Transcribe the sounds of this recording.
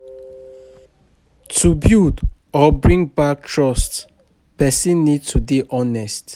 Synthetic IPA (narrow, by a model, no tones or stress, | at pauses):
tʰubjud | ɔbɹĩŋbak̚tʰɹɔsts | pɛsĩnːid̚tʰubiʔɔnɛst